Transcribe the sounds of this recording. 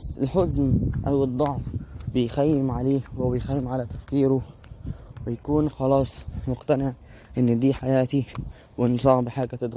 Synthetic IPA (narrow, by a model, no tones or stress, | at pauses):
sɪ̰lħʊznʔawɨd̪ˤːɑʕfbɪjxajːɪmʕaleːwɪbɪjxajːɪmʕalat̪afkiːɾʊ | wɪjakuːnxɑlɑːsˤmʊqt̪anɪʕ | ʔɪnːd̪iːħajaːt̪i | wɪnsˤɑːʕbɪħaːɡat̪ɪd̪ɣ